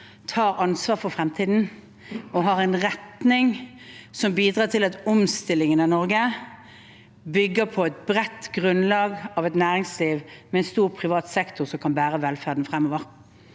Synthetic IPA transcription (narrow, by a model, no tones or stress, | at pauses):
t̪ʰɑːʁɑnsʋɑːʁfɔfʁɛmt̪ʰiːd̪n̩ | ɔɦɑʁæɪnʁɛt̪nɪŋ | sɔmbiːd̪ɾʁɑːt̪ʰɪlɑt̪ɔmst̪ɪlːɪŋənɑnɔʁɡə | bʏɡːəʁpʰɔɛt̪̚bʁɛt̪ːɡʁʉnlɑːɡɑʋɛt̪næːʁɪŋsliːʋmɛɛnst̪uːʁpʰʁɪʋɑːt̪sɛkt̪ʰʊʁsɔmkʰɑnbæːʁəʋɛlfæːʁd̪n̩fʁɛmːoːʋəʁ